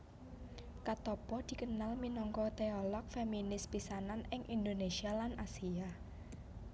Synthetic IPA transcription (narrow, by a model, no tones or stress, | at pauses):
kat̪ɔpɔd̪̥i̤kənalminɔŋkɔt̪eɔlɔk̚feminɪspisananɪŋʔind̪onesialanʔasia